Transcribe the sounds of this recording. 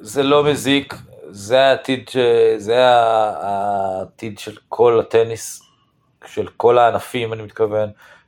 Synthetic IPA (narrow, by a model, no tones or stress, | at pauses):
zelo̞mezikzeaːt̪id̪ʃezea | t̪id̪ʃelkʰo̞lat̪enis | ʃelko̞laːnafimanimit̪kave̞n